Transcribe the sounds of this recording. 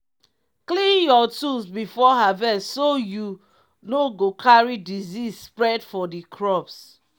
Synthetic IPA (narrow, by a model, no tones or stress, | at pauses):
klĩnjɔtusbifɔɦavɛstsoju | noɡokʰaɹidizisspɹɛdfɔdikʰɹɔps